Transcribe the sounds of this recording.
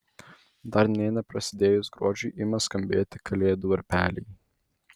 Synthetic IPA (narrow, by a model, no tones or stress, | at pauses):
d̪ɐɾnʲɛɪnɐpɾɐsʲɪd̪ʲeːjʊsɡɾuɔd͡ʒʲuːʔɪmɐskɐmʲbʲeːt̪ʲɪkʰɐlʲeːd̪uɐɾʲpʲæːlʲɛ̰j